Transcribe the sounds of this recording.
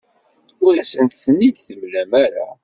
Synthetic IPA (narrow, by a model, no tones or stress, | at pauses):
ʊɾæsənt̪θənːid̪θəmlæmæɾa̰